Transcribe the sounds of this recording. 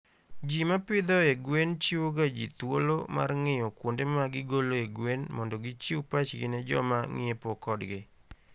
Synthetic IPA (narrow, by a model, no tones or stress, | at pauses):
d͡ʒimapɪd̪ɔeɡwent͡ʃiwoɡad͡ʒḭt̪wo̰lo̰ma̰rŋɪjɔkwondemaɡɪɡoloeɡwenmɔndɔɡɪt͡ʃiupat͡ʃɡɪ̰nɛd͡ʒɔ̰maŋɪ̰epokɔdɡɪ